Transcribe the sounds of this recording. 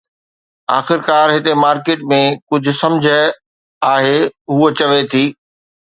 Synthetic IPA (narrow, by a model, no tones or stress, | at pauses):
a̰ːxɪɾkaːɾɦɪt̪emaːɾkeːʈ̚mẽkʊd͡ʑʱʊ̆sɐ̃md͡ʑʱə | aːɦeɦuːot͡ɕɐʋet̪ʰiː